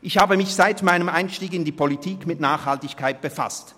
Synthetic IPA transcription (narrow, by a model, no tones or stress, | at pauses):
ʔɪçhaːbəmɪçz̥aɪtmaɪnəmʔaɪnʃtiːkɪndiːpʰolitʰiːkmɪtnaːχhaltɪçkʰaɪt̚b̥əfa̰st